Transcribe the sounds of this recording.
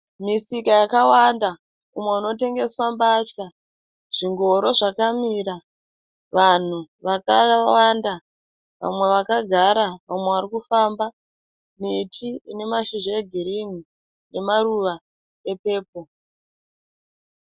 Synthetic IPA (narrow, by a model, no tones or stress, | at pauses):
misikajakawanda | umwe̞uno̞te̞ŋɡe̞swambaːt͡ʃka | ʐ̥iŋɡo̞ɾo̞ʐakamiːɾa | ʋan̤uʋakawanda | ʋa̰mwe̞ʋakaɡʱaɾaʋamweʋaɾikufamba | mitʰiine̞maʃoʐoeɡʱiɾini | ne̞maɾuʋa | e̞pe̞ːp̚o̞